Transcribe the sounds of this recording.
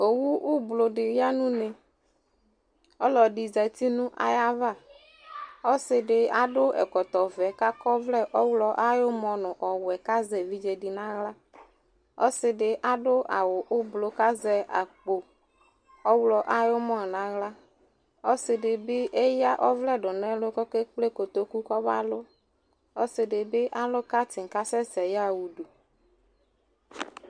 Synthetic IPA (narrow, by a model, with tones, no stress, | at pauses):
o˨wu˦ʔu˦blo˨ɖɪ˨ja˦nũ˦ne˨ | ɔ˦lɔ˨ɖi˨zɛ˨t̪i˦nũ˦ʔa̰˨ja˦va˦˨ | ɔ˦sɪ˨ɖɪ˨a˦ɖʊ˦ʔɛ̰˨kɔ˨t̪ɔ˨vɛ˨ka˦kɔ˦vlɛ˦ʔɔ˦wlɔ˦ʔa˦jo˦mɔ̃˨nʊ̃˨ʔɔ˨wɛ˨ka˦zɛ˨vi˦d͡ʒɛ˨ɖɪ˨nã˦ɣla˦ | ɔ˦sɪ˨ɖɪ˨ʔa˦ɖʊ˦a˨wo˨ʔʊ˦blo˨ka˦zɛ˦a˨k͡po˨ | ɔ˦wlɔ˨ʔa˦jo˦mɔ̃˦˨nã˦ɣla˦ | ɔ˦sɪ˨ɖɪ˨be˦ʔe˦ja˦ʔɔ˦vlɛ˦˨ɖʊ˨nɛ̃˦lo˦kɔ˦ke˦k͡ple˦ko˨t̪o˦ku˦kɔ˦ba̰˦lo˦ | ɔ˦sɪ˨ɖɪ˨be˦ʔa˦lo˦ka˦t̪ɪ˨ŋ˨ka˦sɛ˦sɛ˨ja˦˨wu˨du˨